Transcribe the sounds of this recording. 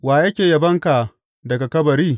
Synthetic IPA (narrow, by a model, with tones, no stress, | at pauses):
waː˨jɐ˦kʲeː˨jɐ˨bɐ˦ŋka˨ | dɐ˨ɡa˨kɐ˦bɐ˨ɾiː˦